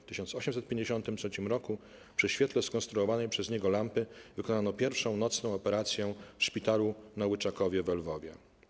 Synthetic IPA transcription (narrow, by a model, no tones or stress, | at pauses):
ft̪ɘɕɔnt̪sɔɕɛmsɛt̪̚pʲjeɲd͡ʑeɕɔnt̪ɘmtʂɛt͡ɕimɾɔku | pʂɘɕfʲɛt̪lɛskɔ̃nst̪ɾuɔvanɛjpʂɛzɲɛɡɔlampɘvɘkɔnanɔpʲjɛɾfʂɔ̃w̃nɔt̪snɔ̃w̃ɔpɛɾat̪sʲjɛ̃fʂpʲit̪alunawɘt͡ʂakɔvʲjɛvɛlvɔvʲjɛ̰